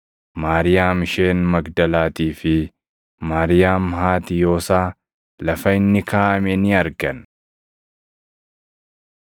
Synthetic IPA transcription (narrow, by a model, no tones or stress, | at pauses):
maːɾɪjaːmɪʃe̞ːnmɐɡd̪ɐlaːt̪iːfɪ | maːɾɪjaːmhaːt̪ɪjo̞ːsaː | lɐfɐɪnːɪkaːʔɐmɛnɪɐɾɡɐn